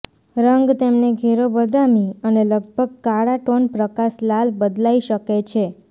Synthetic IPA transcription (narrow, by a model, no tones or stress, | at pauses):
ɾəŋɡt̪emneɡʱeɾobəd̪amiəneləɡ̚bʱəɡ̚kaɽaʈonpɾəkaslalbəd̪laiʃəket͡ʃʰe